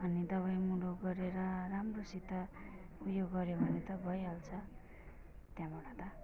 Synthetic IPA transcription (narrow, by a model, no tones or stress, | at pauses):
ʌnid̪ʌβʌjmuɽoɡʌɾeɾʌramrosit̪ʌ | ujoɡːʌɾjobʱʌnet̪ʌbʱʌjɦalt͡sʰʌ | t̪jãmʌɽat̪ʌ